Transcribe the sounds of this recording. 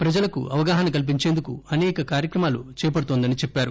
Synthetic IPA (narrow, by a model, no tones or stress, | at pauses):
pɾɐd͡ʒɐlɐkṵɐʋɐɡaːɦɐnɐkɐlip̬iɲt͡ʃeːnd̪ukuɐnɛːkɐkaːɾjɐkɾɐmaːlut͡ʃɛːjɐp̬ɐɽut̪oːnd̪ɐnit͡ʃɛpːaːɾu